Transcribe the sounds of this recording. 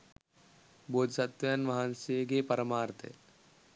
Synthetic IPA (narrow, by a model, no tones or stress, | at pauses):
boːd̪sɐt̪ʋɐjɐnʋɐɦanseɡepɐɾɐmaːɾt̪ʰḛ